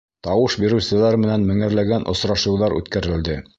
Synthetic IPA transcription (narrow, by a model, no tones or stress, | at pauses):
t̪ɑwɤʃbiɾɘ̆wsɘ̆læɾmɘ̆nænmɘ̆ŋæ̆ɾlæɡænʔŏsɾɑʃɤ̆wðɑɾʉ̰t̪kæɾɘ̆ld̪ɘ